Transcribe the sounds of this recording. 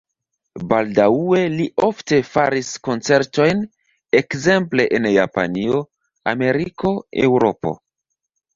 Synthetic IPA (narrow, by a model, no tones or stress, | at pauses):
baldaue̞liʔo̞fte̞faɾisko̞nt͡se̞ɾto̞jn | e̞kze̞mple̞ʔenja̰pa̰nio̞ | a̰me̞ɾikʰo̞ḛwɾo̞po̞̰